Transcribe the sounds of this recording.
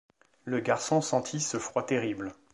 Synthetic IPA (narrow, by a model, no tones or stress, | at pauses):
ləɡaʁsɔ̃sɑ̃t̪ʰisəfχwat̪eʁibl